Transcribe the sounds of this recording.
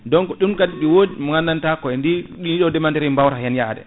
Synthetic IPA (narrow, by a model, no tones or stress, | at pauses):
dɔŋkɔɗumkadiɗiwoːdimɔŋanːantakɔɛndiɗiniɗɔdɛmantɛɾɛmbawɾajanjadɛ̰